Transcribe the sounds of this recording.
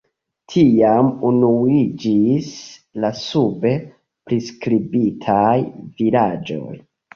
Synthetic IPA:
tʰiamunuid͡ʒislasube | pɾiskɾibitʰajvilad͡ʒo̰j

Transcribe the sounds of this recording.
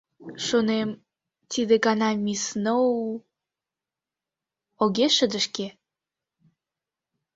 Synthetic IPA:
ʃonem | t̪id̪eɡɑnɑmʲisno | oɡeʃəd̪əʃke

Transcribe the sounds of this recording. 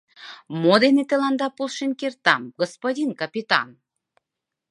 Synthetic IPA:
mod̪enet̪elɑnd̪ɑpulˠʃinʲkert̪ɑmɡospodʲinkɑpʲit̪ɑ̰n

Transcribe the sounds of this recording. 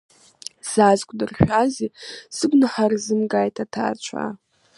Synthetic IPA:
z̥azkʷʼdɨrχʲᶣazisɨɡʷnɨħarzɨmɡaːjtʰatʰa̰ːt͡ʃʷʰa̰

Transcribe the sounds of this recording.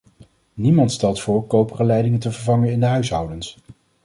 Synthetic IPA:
nimɑntstɛlˠtfʊːɹkowpərəlɛjdɪŋəntəvəɹvɑŋənɪndəɦœɥsɦʌwdəns

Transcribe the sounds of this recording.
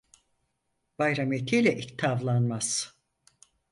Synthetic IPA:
b̥ajɾamet̪ʰijlʲɛʔit̪ʰːavlˠanmaz̥

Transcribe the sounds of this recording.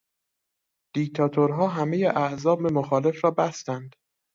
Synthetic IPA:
d̪̥ikt̪ʰɒːt̪ʰoɾɦɒːɦæmejeʔæhzɒːbemoxɒːle̞fɾɒːbæst̪ænd̪̥

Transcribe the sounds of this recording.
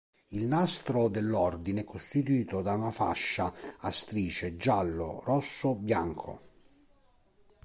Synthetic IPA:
ilnast̪ɾod̪elːɔrd̪ineɛkʰːost̪it̪uiːt̪od̪aunafa̰ʃːaast̪ɾiːt͡ʃed͡ʒalːo̰rɔsːobja̰ŋkʰo̰

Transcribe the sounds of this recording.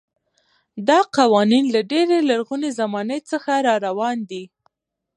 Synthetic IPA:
d̪ɑqɑwɑninlaɖeɾelaɾɣunezamɑnəjt͡səxaɾɑɾawɑnd̪i

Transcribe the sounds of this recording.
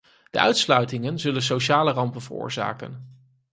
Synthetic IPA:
d̥ə̰ʔœ̰ɥtslœɥtɪŋənzɵləns̬oʃaːlərɑmpənvərʊ̰ːɹza̰ːkə̰n

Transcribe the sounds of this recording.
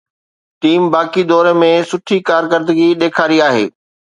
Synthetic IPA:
ʈiːmbaːkid̪ɔːɾemẽsʊʈʰikaːɾkəɾd̪əɡiɗ̪eːkʰaːɾiaːɦḛː

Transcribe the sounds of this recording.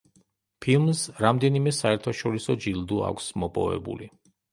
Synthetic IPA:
pʰilˠmsɾamd̪ɛnimɛsaɛɾt̪ʰaʃɔɾisɔd͡ʒild̪ua̰kʷʰsmɔpʼɔ̰vɛ̰bṵli

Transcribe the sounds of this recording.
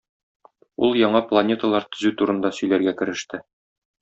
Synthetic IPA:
ulˠjɒɴɑplˠɐnʲe̞t̪əlˠɑɾt̪ɵ̆zʉt̪uɾɤ̆nd̪ɑsɵ̆jlæɾɡækɘ̆ɾɘ̆ʃt̪ɘ

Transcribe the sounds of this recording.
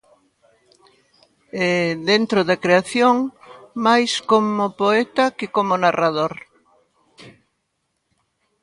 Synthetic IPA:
ɛðent̪ɾoðɐkɾeaθjoŋmajskomopoɛt̪ɐkɪkomonarað̞oɾ

